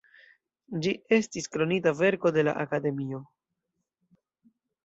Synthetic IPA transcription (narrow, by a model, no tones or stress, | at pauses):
d͡ʒie̞stiskɾo̞nitave̞ɾko̞de̞la̰ʔakade̞mio̞